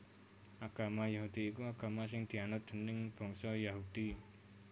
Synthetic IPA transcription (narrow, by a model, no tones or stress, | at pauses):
ʔaɡ̥amajaɦud̪iːkuaɡamas̬ɪŋd̪̥ianʊt̪̚dənɪŋb̥ɔŋsɔjaɦudi